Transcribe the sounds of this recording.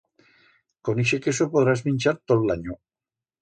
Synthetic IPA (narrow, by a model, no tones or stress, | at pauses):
koniʃekes̬opoðɾazmĩnʲt͡ʃaɾt̪oðlaɲo